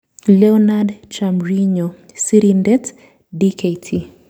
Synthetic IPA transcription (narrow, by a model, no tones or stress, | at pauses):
lɛɔnadt͡ʃamɾiɲo | siɾindɛt | dikʰetʰi